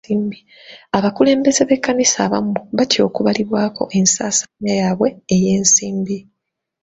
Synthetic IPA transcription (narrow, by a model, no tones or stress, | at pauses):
iːmbi | aβakule̞ːmbe̞ze̞βe̞kːanisaːβa̰muuβatjo̞ːkuβaliβwaːko̞̰ʔe̞nsaːsaɲajaːβwe̞ːjeːnsiːmbi